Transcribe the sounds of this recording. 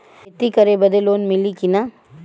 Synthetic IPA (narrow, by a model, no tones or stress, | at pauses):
t̪ikəɾebəd̪eloːnmɪlikina